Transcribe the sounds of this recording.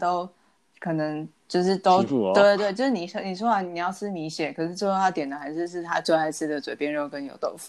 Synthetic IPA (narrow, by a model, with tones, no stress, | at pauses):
t̪o˥ʊ | kʰɤ˨˩nɤ˧˦ŋt͡ɕjo˥˧ʊʂɻ̩˥˩t̪o˥ʊwe˥˩t̪we˥˧t͡ɕo˥˧ʊʂɻ̩˥˩ni˨˩ʂni˨˩ʂ̬wɔ˥wa˧˥ni˨˩jɑ˥˩ʊʂɻ̩˥˧ni˧˥ɕjɛ˨˩˦kʰɤ˨˩ʂɻ̩˥˩t͡so˥˧w̪ʰa˥˩t̪jɛ˨˩nd̪ə˦˩a˧˥ɪʂɻ̩˥˧ʂ̬ɻ̩˥˩t̪ʰa˥t͡swe˥˧a˥˧ɪsɹ̩˥˩d̪ə˩t͡swe˨˩ɪpjɛ˥˧nɻo˥˩ʊkə˧˦njo˨˩ʊt̪o̰˥˧ʊfu̥˨